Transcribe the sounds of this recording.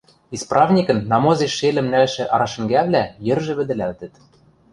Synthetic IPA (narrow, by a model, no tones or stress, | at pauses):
isprʔɑvnʲikɤ̆nːɑmozeʃːelɘ̆mnælʃĕʔɑɾɑʃɘ̆ŋɡæβlæjɘ̆rʒɘ̆βɘ̆d̪ɘ̆lælt̪ɘ̆t̪